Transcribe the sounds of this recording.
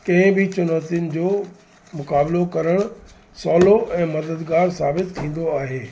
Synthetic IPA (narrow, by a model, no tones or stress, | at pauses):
kɐ̃ɦɪ̃bɪt͡ɕʊnaːt̪iʊnɪ̆d͡ʑoː | mʊkaːblokɐɾəɽ̃ | sɔːloʔɛ̃ːmɐd̪əd̪ɡaːɾsaːbɪt̪t̪ʰːĩːn̆d̪oaːɦeː